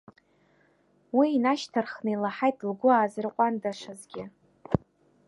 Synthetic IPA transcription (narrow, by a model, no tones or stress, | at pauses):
wiːnaʃtʰarχnɨilaħajtʰʼlɡʷʊaːzɨrqʷʼandaʂazɡʲɪ